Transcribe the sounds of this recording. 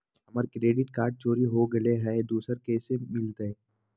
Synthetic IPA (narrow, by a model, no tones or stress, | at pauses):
ɦɐməɾkɾeːɖɪʈkaːɾɖ̚t͡ʃoːɾiɦoɡɐleɦɛd̪uːsəɾkeːsemɪlt̪ee